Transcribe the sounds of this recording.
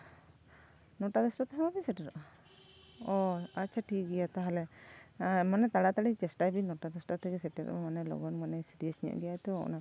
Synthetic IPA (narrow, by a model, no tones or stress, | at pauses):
nɔʈad̪ɔsʈat̪ɛɦɛmabisɛʈɛɾɔʔa | ɔatːt͡ʃʰaʈʰik̚ɡɛjat̪aɦalɛ | manɛt̪aɽat̪aɽit͡ʃɛsʈabinɔʈad̪ɔsʈat̪ɛɡɛsɛʈɛɾɔ̰mɛ̰manɛlɔ̰ɡɔnmanɛsiɾijəsɲɛ̰ʔɡɛjat̪ɛɔ̰ʔna